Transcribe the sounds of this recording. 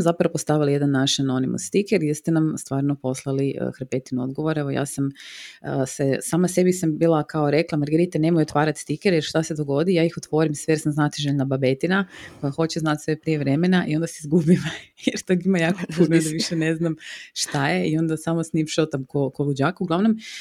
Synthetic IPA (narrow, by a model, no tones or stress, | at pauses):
mozapɾaopost̪aʋilijed̪anːaʃano̞nḭmṵst̪ikeɾjeɾst̪enamst̪ʋaːɾnopo̞slˠaliə̰xɾpet̪inuo̰d̪ɡo̞ʋoɾe̞ʋoja̰ːsaməsesaːmase̞bisambiːlˠakaoɾe̞klˠamaɾɡeɾit̪ane̞mojut̪ʋaːɾat̪st̪ikeɾjeɾʃt̪ase̞d̪o̞ɡo̞d̪ijaːixot̪ʋo̞ɾimsʋejeɾsamznat̪iʒeʎnababe̞t̪inakojaxo̞t͡ɕeznat̪sʋe̞pɾije̞ʋɾemenaʔio̞nd̪aseizɡubimajeɾt̪oɡimajaːkopunoid̪aʋiʃene̞znamʃt̪aje̞io̞nd̪asamosnimʃot̪amkokolud͡ʑakuɡlˠaʋno̞m